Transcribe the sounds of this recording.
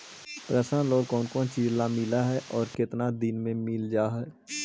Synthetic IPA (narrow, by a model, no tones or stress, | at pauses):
pɾəsə̃loːɡkɔːnkɔːnt͡ʃiːd͡ʒlamɪlaɦɛʔɔːɾkɪt̪nad̪ɪnmẽmɪld͡ʒaːɦɛː